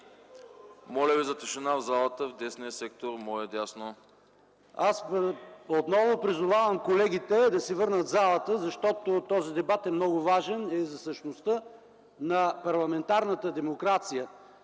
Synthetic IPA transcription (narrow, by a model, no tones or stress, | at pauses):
mɔlʲəvizɐt̪ɛʃɛnavzalˠət̪əvd̪ɛsnijəsɛk̚t̪oɾmɔɛd̪ʲasno | asot̪nɔvopɾizʊvavəmkolɛɡ̟ʲit̪ɛd̪ɐsɛvɤɾnət̪zalˠət̪əzɐʃt̪ɔt̪ot̪ɔzid̪ɛbat̪ɛmnɔɡʊvaʒɛnɛzɐsəʃnost̪ə | nɐpɐɾlˠɐmɛnt̪aɾnət̪əd̪ɛmokɾat̪sijə